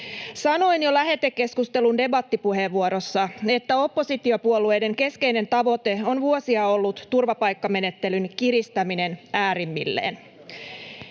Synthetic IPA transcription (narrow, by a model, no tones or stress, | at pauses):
sɑno̞injo̞læɦe̞t̪ːekːe̞skust̪elunde̞bɑt̪ːipuɦe̞ʋːuoɾo̞sːɑe̞t̪ːæo̞pːo̞sit̪iopuolue̞jde̞ŋke̞ske̞ine̞nt̪ɑʋo̞t̪e̞o̞nʋuosiɑo̞lːut̪ːurʋɑpɑjkːɑme̞ne̞t̪ːe̞lynkiɾist̪æmine̞næːɾimːḭlːḛːn